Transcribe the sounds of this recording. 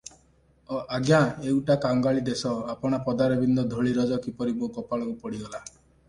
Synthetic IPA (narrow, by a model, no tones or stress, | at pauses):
ɔʔaɡjãewʈakaŋɡaɭid̪esɔapɔɽ̃apɔd̪aɾɔbind̪ɔd̪ʱɔɭiɾɔd͡ʒɔkipɔɾibokɔpaɭɔkupɔɽiɡɔla